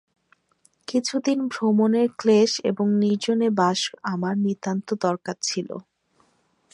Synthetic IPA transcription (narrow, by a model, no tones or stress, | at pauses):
kit͡ɕʰud̪inbʱɾomoneɾkleʃḛboŋniɾd͡ʑonebaʃamaɾnit̪ant̪od̪ɔɾkaɾt͡ɕʰilo̰